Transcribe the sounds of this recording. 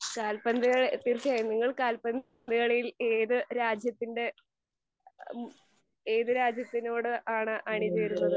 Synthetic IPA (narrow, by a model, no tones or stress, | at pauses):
kaːlpɐnd̪ɨɣɐɭt̪ːirkejnːiŋːɐɭkaːlpɐn | d̪ɐɣɐɭejileːðɨɾaːd͡ʑjɐt̪ːinɖe̞ | eːðɨɾaːd͡ʑjɐt̪ːino̞ːɽɨʔaːɳɨʔɐɳid͡ʑɐjɾunːɐðɨ